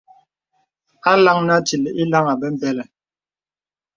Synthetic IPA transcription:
a˦la˦ŋna˦ti˨lɛ˨i˦la˦ŋa˨bɛ˦m̩˦bɛ˦lɛ˨

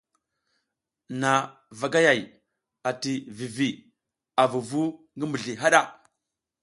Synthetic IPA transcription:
na˨ | va˨ɡa˦ja˨j | a˨ti˨vi˨vi˨ | a˨vu˨vu˦ŋɡə˦mbə˨ɮi˨ɦa˦ɗa˦˨

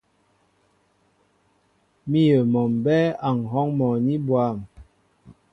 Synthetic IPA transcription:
mi˦jə˨mɔ˨mbɛ˦a˨ŋ˨ɦɔ˦ŋmɔ˨ni˦bwa˦˨m

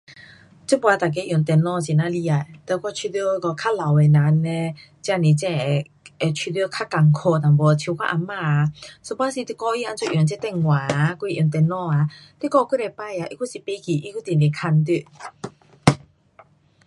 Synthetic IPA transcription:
t͡ɕu˥˦pwa˧˦t̪a˨˩k̬e˨˦˨ju˨˩˦ŋt̪ɛ˧nɔ̃˧˨t͡ɕi˨˩nã˧li˧a˨˩jt̪ə˧˩kwɔ˧t͡ɕʰi˧t̪jo˥˦˧kɔ˧kʰa˦˥la˨we˨˩na˨ne˧ | t͡ɕja˧nĩ˨t͡ɕɛ̃˥˧e˨ | e˨t͡ɕʰi˧t̪jkʰa˦˥ka˨˩ŋkʰo˧t̪ã˨ŋbɔ˨˩t͡ɕʰu˧˦kʰa̰˦˧ʔa˧mã˧so˧˦pa˧˦si˧t̪i˧kɔ˧i˦˧a˧nt͡sʰu˧˨ʔju˨˩ŋt͡ɕɛ˥˧t̪ɛ˥˧˨ŋwãː˨˦ku˧˨ju˨˩ŋt̪ɛ˧nɔ̃˥˧˨a˨˧t̪i˧˦kɔ˧ku˥ɾe˧pa˥˧˨ja˨˧ʔi˦ku˦˥si˨˩pe˧˦kʰi˨ʔi˦ku˥˦t̪i˨ni˨kʰa˧nt̪̬i˥˧˨

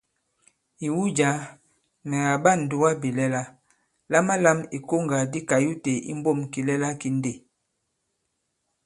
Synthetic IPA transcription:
i˨wu˦d͡ʒa˨˦ | nɛ˨ɣa˨ba˦˨n̩˨du˦wa˦bi˨lɛ˦la˦ | la˦ma˦la˦mi˨ko˦ŋɡa˨di˦ka˨ju˦te˨ḭ˦m˦bo˦˨mki˨lɛ˦la˦ki˨˦n˦de˦˨

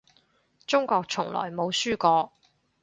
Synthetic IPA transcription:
t͡sʊ˥ŋkʷɔː˧k̚t͡sʰʊ˨˩ŋlɔ̰ː˨˩jmo˨˧wsyː˥kɔː˧

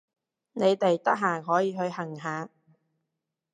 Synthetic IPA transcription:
ne˨˧jt̪e˨jt̪ɐ˥k̚ɦaː˨˩ɦɔː˨˥jiː˨˧ɦɵ˧ɥhɐ˨˩ŋɦaː˨˧

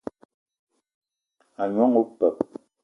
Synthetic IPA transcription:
a˨ɲwa˦ŋo˦pɛ˨p̚

